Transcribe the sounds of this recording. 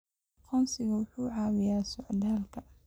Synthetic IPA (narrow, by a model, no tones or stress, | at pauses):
qʰʊnsɪɡawʊħuːʕaːwɪjaːsʊʕd̪aːlka